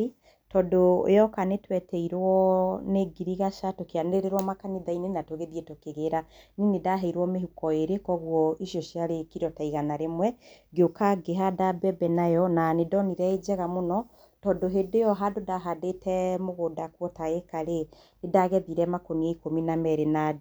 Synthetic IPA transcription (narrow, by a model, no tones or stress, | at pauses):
tɔdojɔkanetwɛtɛiɾwɔneɡiɾiɣaʃatokeaneɾeɾwɔmakaniðainenatoɣeðiɛtokeɣeɾaninedaɦɛiɾwɔmeɦukɔeɾekɔɣwɔiʃjɔʃjaɾekiɾɔtaiɣanaɾemwɛɡeokaɡeɦadabɛbɛnajɔnanedɔniɾɛed͡ʑɛɣamonɔ | tɔdoɦedejɔɦadodaɦadetɛmoɣodakwɔtaekaɾe | edaɣɛðiɾɛmakoniaikominamɛɾenad